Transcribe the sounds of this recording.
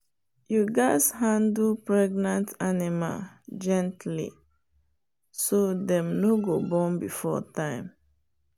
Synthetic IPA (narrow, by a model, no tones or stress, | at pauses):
juɡaɪshãndulpɹɛɡnãntʰanima̰ld͡ʒɛ̃ntlḭ | sodɛ̃mnoɡobɔ̃nbifɔ̰tãɪ̃m